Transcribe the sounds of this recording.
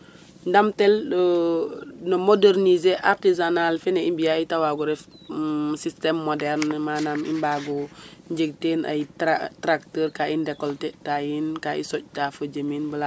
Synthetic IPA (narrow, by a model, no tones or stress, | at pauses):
ndamtɛl | nomodeɾnizeʔaɾtizanalfɛnɛimbijaitawaɡuɾɛf | sistɛmːɔdɛɾnmaːnamḭmbaɡɔɲɟəɡ̚tenʔa̰jatɾak̚təːɾkaindɛkːɔltɛtajinkaḭsɔc̚tafəd͡ʒəminbəla